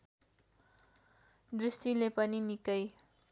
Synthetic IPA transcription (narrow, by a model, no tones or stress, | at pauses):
d̪ɾist̪ilepʌninikʌj